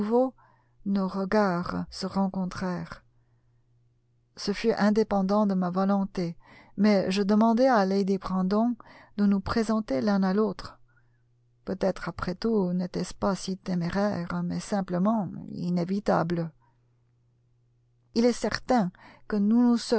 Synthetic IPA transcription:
vo | noʁəɡaʁsəʁɑ̃kɔ̃t̪χɛːʁ | səfyʔɛ̃d̪epɑ̃d̪ɑ̃d̪əmavɔlɔ̃t̪e | mɛʒəd̪əmɑ̃d̪ɛalejd̪ebʁɑ̃d̪ɔ̃d̪ənupχezɑ̃t̪elɛ̃nalot̪χ | pøt̪ɛt̪χapχɛt̪unet̪ɛspasit̪emeʁɛʁmɛ̰sɛ̃pləmɑ̃ḭnevit̪a̰blə | ilɛsɛʁt̪ɛ̃kənunusə

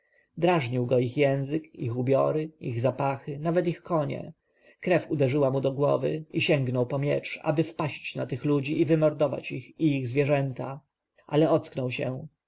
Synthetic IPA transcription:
d̪ɾaʐɲiwɡɔixjɛ̃w̃zɘkixubʲjɔɾɘiɣzapaxɘnavɛt̪ixkɔɲɛ̰ | kɾɛfud̪ɛʐɘwamud̪ɔɡwɔ̰vɘ̰iɕɛŋɡnɔwpɔmʲjɛ̰t͡ʂa̰bɘfpaɕt͡ɕnat̪ɘxlud͡ʑiʔːvɘmɔɾd̪ɔva̰t͡ɕixiiɣzvʲjɛʐɛnt̪a | ʔalɛɔt̪sknɔwɕɛ̰

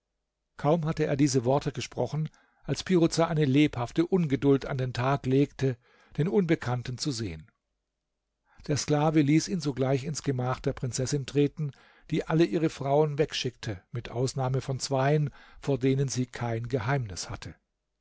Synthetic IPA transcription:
kʰaʊmɦatəeːɐdiːzəvɔɐtəɡəʃpʁ̥ɔχn̩ | ʔalspʰiʁʊt͡saʔaɪnəleːphaftəʔʊnɡədʊlta̰ndeːntʰaːkleːktə | d̥eːnʔʊnbəkʰantn̩t͡suzeːən | d̥eːɐsklaːvəliːsiːnzoɡlaɪçɪnsɡ̥əmaːχd̥eːɐpʁ̥ɪnt͡sɛsɪntʁ̥eːtn̩ | d̥iːʔaləʔiːʁ̞əfʁ̥aʊənvɛkʃɪktʰəmɪtʔaʊsnaːməfɔnt͡sv̥aɪənfoːɐdeːnənziːkʰaɪnɡəɦaɪmnɪshatʰə

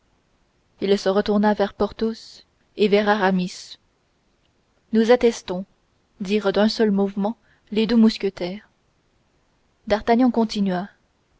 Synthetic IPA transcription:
ilsəʁət̪uʁnavɛʁpɔʁt̪os | evɛʁaʁamis | nuzat̪ɛst̪ɔ̃ | d̪iːʁd̪ɛ̃sœlmuvmɑ̃ | led̪umuskʲət̪ɛːʁ | d̪aʁt̪aɲjɑ̃kɔ̃t̪inɥa

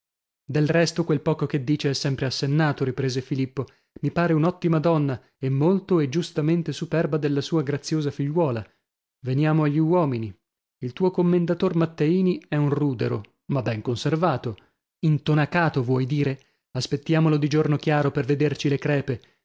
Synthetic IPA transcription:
d̪elrɛst̪okwelpɔːkoked̪ːiːt͡ʃeɛsːɛmpɾeasːenːaːt̪oɾipɾeːzefilipːo | mipaːɾeunɔt̪ːimad̪ɔnːa | emːolt̪oed͡ʒːust̪ament̪esupɛrbad̪elːasuːaɡɾat̪sːjoːzafiʎːwɔːla | venjaːmoaʎːiwɔːmini | ilt̪uːokomːend̪at̪ormat̪ːeiːniɛunruːd̪eɾo | mabːɛŋkonservaːt̪o | int̪onakaːt̪ovwɔjd̪iːɾe | aspet̪ːjaːmolod̪id͡ʒornokjaːɾoperved̪ert͡ʃilekɾɛːpe

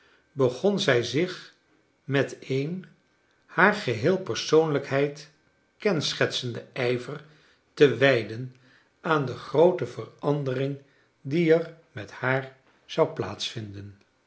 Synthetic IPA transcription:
bəχɔnzɛjzɪχ | mɛtejn | haːɹχəɦɪːlˠpəɹsownləkɦɛjt | kɛnsχɛtsəndəɛjvər | təʋɛjdən | aːndəχrowtəvərɑndərɪŋ | diɛr | mɛthaːɹ | z̥ɑwpla̰ːtsfɪndən

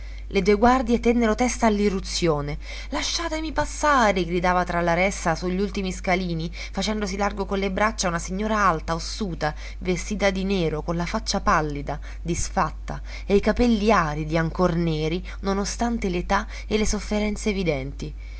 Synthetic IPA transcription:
led̪ueɡward̪jet̪ɛnːeɾot̪ɛst̪aːlːirːut̪sːjoːne | laʃːaːt̪emipasːaːɾeɡɾid̪aːvat̪ɾalaɾɛsasuʎːult̪imiskaliːni | fat͡ʃɛnd̪osilarɡokonlebɾat͡ʃːaunasiɲːoːɾaalt̪aosːuːt̪a | vest̪iːt̪ad̪ineːɾokonlafat͡ʃːapalːid̪a | d̪isfat̪ːa | ejkapɛlːiaːɾid̪iaŋkornɛːɾi | nonost̪ant̪elet̪a | elesofːeɾɛnt̪seːvid̪ɛnt̪i

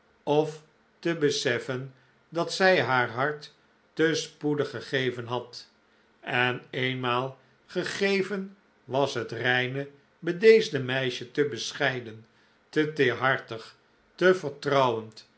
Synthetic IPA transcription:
ɔf | təbəsɛfən | dɑtsɛjɦaːɹɦɑɹtː | əspudəχəχejvənɦɑt | ɛnejnmaːlˠ | χəχejvən | ʋɑsɦətrɛjnə | bədejzdəmɛjʃətəbəsχɛjdən | tətɪːɹɦɑɹtəχ | təvəɹtrɑwənt

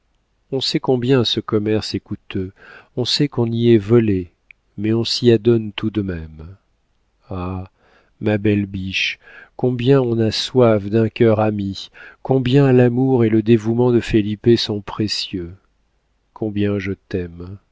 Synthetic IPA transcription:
ɔ̃sɛkɔ̃bjɛ̃səkɔmɛʁsɛkut̪øɔ̃sɛkɔ̃niɛvɔle | mɛɔ̃siad̪ɔnt̪ud̪əmɛm | a | mabɛlbiʃ | kɔ̃bjɛ̃ɔ̃naswafd̪ɛ̃kʲœʁamikɔ̃bjɛ̃lamuʁeləd̪evumɑ̃d̪əfelipesɔ̃pχesjø | kʰɔ̃bjɛ̃ʒət̪ɛm

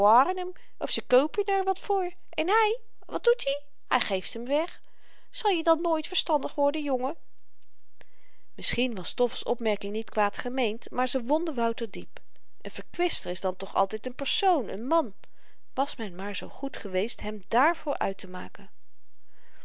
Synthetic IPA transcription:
aːɾənəm | ʔɔfsəkøwpənɛɹʋɑtfʊːɹ | ʔɛnɦɛj | ʋɑt̚d̥̚uti | hɛjχejftɦəmʋɛχ | z̥ɑlˠjədɑnːoːjtfəɹstɑndəχʋɔɹdəjɔŋə | mɪsχinʋɑstɔfəsɔ̰pmɛɹkɪŋnitkʋaːtχəmejntmaːɹzəʋɔndəʋɑwtəɹdip | ʔənv̥əɹkʋɪstəɹɪzdɑntɔχɑ̰lˠtɛjtənpɛɹsownə̰nmɑn | ʋɑsmɛnmaːɹzowχutχəʋejstɦɛmdaːɹv̥ʊːɹʔœ̰ɥtəma̰ːkən

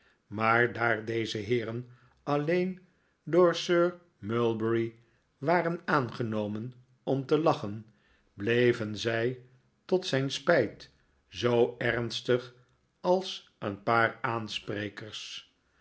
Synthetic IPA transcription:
maːɹdaːɹdejzəɦɪːɾən | ɑlejn | dʊːɹsøːɹ | mœlˠbəɹi | ʋaːrənaːnχənowmən | ɔmtəlɑχən | blejvənzɛj | tɔtsɛjnspɛjt | zowɛɹnstəχ | ɑlˠs | ənpaːraːnsprejkəɹs

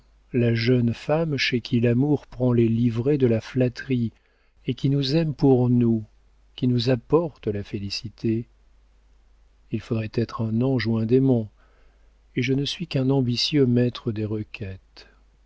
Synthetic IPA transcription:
laʒənfamʃekʲʰilamuʁpχɑ̃lelivʁed̪əlaflat̪χi | ekʲinuzɛmpuʁnu | kʲinuzapɔʁt̪əlafelisit̪ʰe | ilfod̪ʁɛt̪ɛt̪χɛ̃nɔ̃ʒwɛ̃d̪emɔ̃ | eʒənəsɥikɛ̃nɑ̃bisjømɛt̪χəd̪eʁəkʲʰɛt̪

